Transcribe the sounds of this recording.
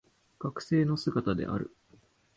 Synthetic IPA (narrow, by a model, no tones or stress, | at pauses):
ɡ̥akɯ̟̥se̞ːno̞sɨɡat̪ad̪e̞̰ʔa̰ɾɯ̟̰